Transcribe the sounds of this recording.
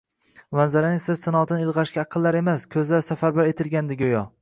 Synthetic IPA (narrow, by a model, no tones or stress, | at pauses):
manzaɾanɪsɪɾsɪnɒt̪ʰɪnɪɪlˠʁɑʃkʲaːqʰɨlˠːaɾe̞maskʲʰɵzlaɾsafaɾbaɾe̞t̪ʰɪlɡʲand̪ɪɡʲojɒ